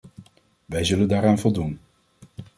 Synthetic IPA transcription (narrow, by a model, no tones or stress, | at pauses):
ʋɛjzɵləndaːɾaːnvɔlˠdun